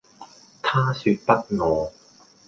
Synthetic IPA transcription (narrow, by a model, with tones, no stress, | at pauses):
t̪ʰaː˥syː˧t̚pɐ˥t̚ŋɔː˨˧